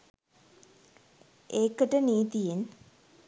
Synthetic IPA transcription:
eːkəʈəniːt̪ijen

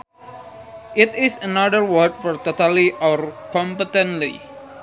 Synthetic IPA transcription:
ʔɪt̪ɪsənadəɹwəd̚fɔɹt̪ot̪əliʔɔrkɔ̃mpət̪ə̃nlḭ

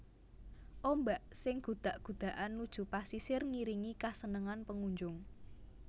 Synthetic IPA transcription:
ʔombaʔsɪŋɡ̥ṳd̪̥a̤ʔɡ̥ṳd̪̥ä̤ʔanːud̥ʒ̥ṳpasisɪrŋiɾiŋikasənəŋanpəŋuɲd͡ʒʊŋ

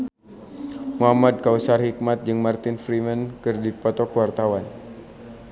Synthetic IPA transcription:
muɦamad̚kausarhik̚mat̪̚d͡ʒɨŋmart̪ɪnfɾimənkɨrdipɔt̪ɔkwart̪awan

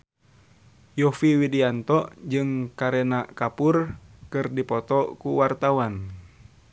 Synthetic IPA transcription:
jɔfiwidiant̪ɔʔd͡ʒɨŋkaɾɛnakapurkɨrdipɔt̪ɔkuwart̪awan

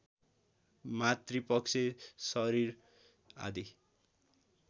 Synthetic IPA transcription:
mat̪ripʌksʰesʌɾiɾ | a̰d̪i

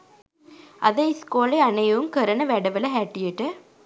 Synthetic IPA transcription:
ɐðɐskoːlɐɪɐnɐjɐʋɯmkɐɾɐnɐʋɛɽɐʋɐlɐɦɛʈːijeʈːɐ

